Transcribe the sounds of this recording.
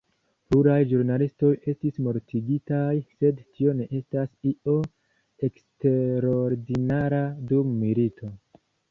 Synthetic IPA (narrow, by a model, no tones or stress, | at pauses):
puɾajʒuɾnalisto̞je̞stismo̞ɾtiɡitajse̞dtio̞ne̞ʔe̞stasiʔo̞ | e̞ksteɾoɾdinaɾadumːilitʰo̞